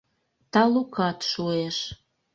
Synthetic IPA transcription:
t̪ɑlukɑt̪ʃueʃ

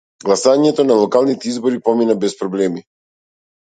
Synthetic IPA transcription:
ɡlˠasaɲɛt̪ɔnalˠɔkalˠnit̪ɛizbɔɾipɔminabɛspɾɔblɛmi

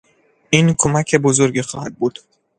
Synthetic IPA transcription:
ʔiːnkʰomæcʰe̞bozoɾɟiːxɒːhæd̪̚buːd̪̥

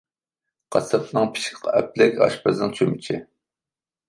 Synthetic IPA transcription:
qʰɑsɨpnɨŋpʰɪ̥ʃkʲqɑɛp̚lɪkʲɑ̰ʃpɑznɨŋt͡ʃʰømɪt͡ʃʰɪ

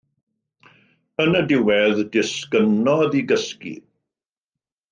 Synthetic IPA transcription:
ənədɪwɛðdɪskənɔðiɡəskḭ

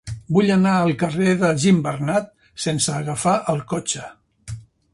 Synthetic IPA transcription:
buʎənaəlˠkəreðəʒimbərnat̪̚ | sensəːɣəfaʔəlˠkot͡ʃə

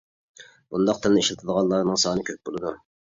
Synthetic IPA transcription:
b̥und̪ɑq̚t̪ʰɨlniʃlt̪ʰɨd̪əʁɑnlˠɑɾnɨŋsɑːnɨkʲʰøp̚bolˠɨd̪u

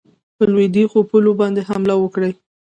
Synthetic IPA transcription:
pəlwed̪ixopulobɑnd̪eɦamlawəkɽaj

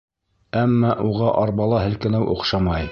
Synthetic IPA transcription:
æmːɑʔuʁɑʔɑɾbɑlˠɑhɘ̆lkɘ̆næwʔṵqʃɑmɑj

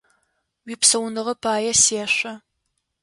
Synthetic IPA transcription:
wiːpsɐwnɨʁɐpʰaːjɐseːɕʷɐ

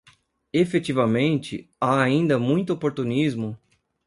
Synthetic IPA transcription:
efet͡ʃ̪ivɐmẽnt͡ʃɪ̰aaĩnd̪ɐmũj̃t̪ʊopoɾt̪unizmʊ

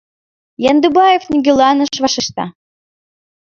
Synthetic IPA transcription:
jɑnd̪ubɑjefnʲiɡʲelɑnə̆ʃvɑʃiʃt̪ɑ̰

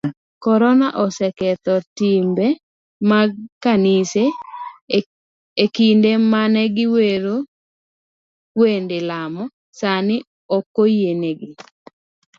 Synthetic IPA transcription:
kɔɾɔnaʔɔsɛkɛt̪ɔtimbɛ | makanɪse | ekindemanɛɡɪweɾo | wendɪlamɔ | sanɪ | ɔkːojeneɡɪ

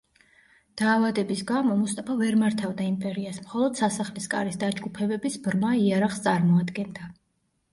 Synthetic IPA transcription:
d̪̥aːvad̪ɛbisɡamɔmust̪ʼapʰavɛɾmaɾt̪ʰavd̪aimpʼɛɾiasmχɔlˠɔd̪̥sasaχliskʼa̰ɾisd̪ad͡ʒɡupʰɛbɛbisbɾmaiaɾaχst̪sʼaɾmɔad̪ɡɛnd̪a

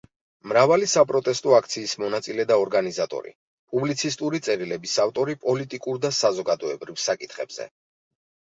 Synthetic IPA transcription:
mɾavalisapʼɾɔt̪ʼɛst̪ʼɔakʰt̪sʰiːsmɔnat̪sʼilɛd̪aɔɾɡanizat̪ʼɔ̰ɾḭ | pʼublit̪sʰist̪ʼuɾit̪sʼɛɾilɛbisaft̪ʼɔɾipʼɔlit̪ʼikʼuɾd̪asazɔɡad̪ɔɛbɾivsakʼit̪ʰχɛ̰bz̥ɛ̰

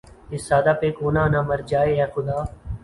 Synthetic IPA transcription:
ɪsːaːd̪aːpeːkoːnãːnãːməɾd͡ʒaːeːɛːxʊd̪aː

